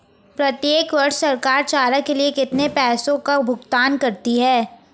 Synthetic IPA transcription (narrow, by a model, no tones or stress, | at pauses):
pɾɐt̪jeːkʋɐɾʃsɐɾkaːɾt͡ʃaːɾakeliekɪt̪nepɛːsõkabʱʊɡt̪aːnkɐɾt̪iɦɛː